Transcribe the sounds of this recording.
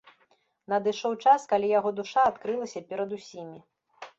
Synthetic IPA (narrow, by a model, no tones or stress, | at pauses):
nɐd̪ɨʂɔwt͡ʂaskalʲijaɣɔd̪uʂaːt̪kɾɨlˠɐsʲɐpʲɛɾɐd̪usʲimʲi